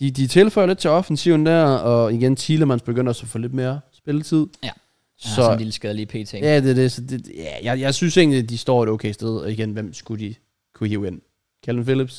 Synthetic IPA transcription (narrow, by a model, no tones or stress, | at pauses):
d̥id̥it͡sʰe̝lfɒɪɐled̥̚t͡sʰe̝ɒ̽fn̩siʊn̩d̥æɐ̰ɒ̽iɡ̥ent͡sʰiːləmænsb̥e̝ɡ̥øn̰d̥ɒsɒfɔ̽ːle̝d̥̚me̝ːɐɐsb̥e̝lət͡sʰið̞̰ˠ | sɒ̽nliləsɡ̥eðˠliːpʰḛːt͡sʰejæd̥e̝ɐd̥esɒ̽de̝̥jæjɑ̈ɪjɑ̈ɪsynse̝̰nliæd̥isd̥ɒ̰ːe̝ɾ̥oʊkʰeɪsd̥eð̞ˠɒ̽iɡ̥enʋem̰sɡ̥ud̥i | kʰuhiʊen̰ | kʰælʋenfilib̥s